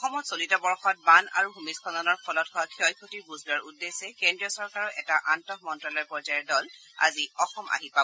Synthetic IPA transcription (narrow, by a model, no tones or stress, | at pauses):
xɔmɔtsolitɔbɔɹxɔt̚bana̰ɹuɦumispʰɔnɔnɔɹpʰɔlɔthɔkʰjɔjkʰotiɹbuzlaɹudːesɛkɛndɹiɔsɔɹkaɹɔɛtaʔantɔkmɔntɹɔlɔɹpɔɹzajɛɹdɔla̰ziɔxɔmʔa̰ɦipa